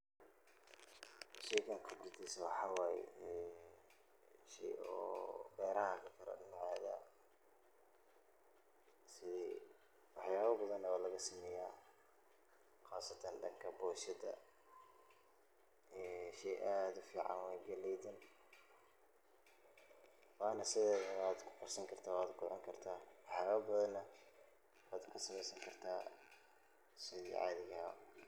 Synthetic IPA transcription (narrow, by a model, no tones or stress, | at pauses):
ʃɛjkʰɐŋqʰɑb̪ɾɪd̪isɐwɑħɑwaj̰ | ʃɛ̰jɔ̰ːbɛːɾakʰɐkʰɐɾɐ̰nʕaːðɐ̰ | sɪ | wɑħjaːβɐbɐðɐnɐβalɐɣɐsɪmɛjaː | qaːsɐt̪ʰɐnɖɐ̰ŋkʰɐbɔːʃɐd̪ɐ̰ | ɛːʃɛjʔaːd̪ʊfiːʕɑ̰nwɛːɡɛlɛjd̪ɛn | waːnɐsɪðɛːðɐwaːd̪kʰʊ̥qɔrsɐŋkʰɐrt̪ʰaːwaːd̪ɡʊlɐ̰ŋkʰɐrt̪ʰaːwɑħjaːβɐbɐðɐnːɐ | waːd̪kʰʊsɐmɛjsɐŋkʰɐrt̪ʰaː | sɪðḭːʕɑ̰ːðɪɣɐɐ̰